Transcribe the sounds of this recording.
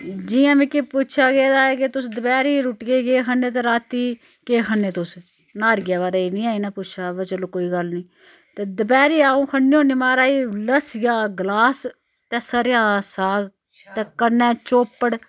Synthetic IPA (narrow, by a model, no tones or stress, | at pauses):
d͡ʒɪjãːmɛ̃ːkɪpʊt͡ʃʰaːɡeːd̪aːɛːkɪt̪ʊsd̪əbɛːɾiːɾʊʈɡeːɡeːkʰənːeːt̪ẽːɾaːt̪iː | keːkʰənːeːt̪ʊs | naːɾɡaːβaːɾaːiːnĩːaːiːnaːpʊt͡ʃʰaːbɛt͡ʃəlõːkoːiːɡəlnĩː | t̪eːd̪əbɛːɾiːaːõːkʰənːiːõːniːmaːɾaːiːləsjaːɡlaːs | t̪ɛ̃ːsəɾjãːsaːɡ | t̪ɛ̃ːkənːɛ̃ːt͡ʃoːpːəɽ